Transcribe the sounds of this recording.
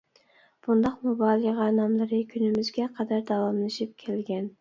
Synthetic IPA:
b̥und̪ɑqmubɑːlˠəʁɑnɑmlˠɨɾɨkʲʰynɪmɪzɡʲɛqʰɑd̪æɾd̪ɑwɑmlˠɨʃip̚kʲʰɛlɡʲɛn

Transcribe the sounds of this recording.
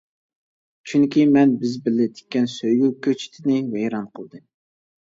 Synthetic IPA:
t͡ʃʰyŋkʲimɛnbɪzbɪlɪt̪ʰɪ̥k̚ʲːɛnsøjɡukʲʰøt͡ʃʰi̥t̪ʰɪnɪvejɾɑnqʰəlˠd̪ɨm

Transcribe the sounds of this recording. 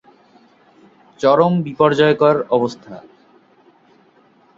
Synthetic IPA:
t͡ɕɔɾombipɔɾd͡ʑɔekɔaɾɔbost̪ʰa̰

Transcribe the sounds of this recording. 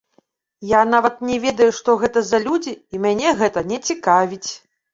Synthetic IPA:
janavɐt̪̚nʲɛvʲɛd̪ɐjuʂt̪ɔɣɛt̪ɐzɐlʲud͡zʲiimʲanʲɛɣɛt̪ɐnʲɛt͡sʲikavʲit͡sʲ

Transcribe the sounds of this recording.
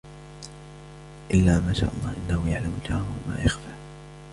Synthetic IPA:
ʔɪlːaːmaːʃa̰ːʔɑlˤːɑːhʔɪnːahʊjaʕlamʊd͡ʒaːwama̰ːjaxfaː

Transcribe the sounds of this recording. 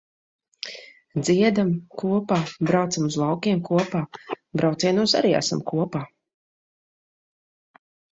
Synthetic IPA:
d̪ziɛd̪amkuɔpaːbɾawt̪samuzlˠawkʲiɛmkuɔpaː | bɾawt̪siɛnuɔsa̰ɾiːa̰sa̰mkuɔpaː

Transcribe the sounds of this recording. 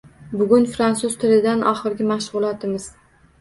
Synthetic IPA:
bʊɡʲʊnfɾansʊzt̪ʰɪlɪd̪anʔɒχɨɾɡʲɪmaʃʁʊlˠat̪ɪmɪz̥

